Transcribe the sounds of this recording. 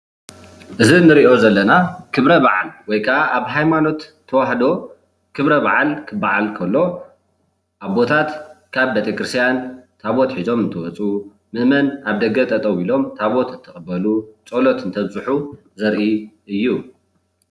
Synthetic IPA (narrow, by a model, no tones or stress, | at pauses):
ʔɨzinɨɾiʔo̞zɐlːɐnakʰɨβɾɐβaʕalwɔjkʰɐʔaʔaβɦajmano̞t̪ʰːɐwaħd̪o̞ | kʰɨβɾɐβaʕalkʰɨbaʕalkʰɐlːo̞ | ʔaβbo̞t̪ʰat̪kʰaβbet̪ʰekɾɨst̪ʰjant̪ʰaβot̪ħizo̞mɨnt̪ʰɨwɔt͡sʼu | mɨʔmɐnaβd̪ɐɡɐt̪ʼɐt̪ʼɐwilo̞mt̪ʰaβot̪ɨnt̪ʰɨχʼbːɐlut͡sʼolot̪ɨnt̪ʰɐβzɨħu | zɐɾʔi | ɨjːu